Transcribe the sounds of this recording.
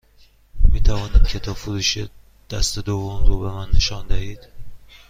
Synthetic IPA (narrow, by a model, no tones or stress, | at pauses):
miːt̪ʰævɒːniːd̪̥̚cʰe̞t̪ʰɒːbfoɾuːʃe | d̪̥æst̪e̞d̪ovːomɾoːbe̞mænːeʃɒːnd̪æhiːd̪̥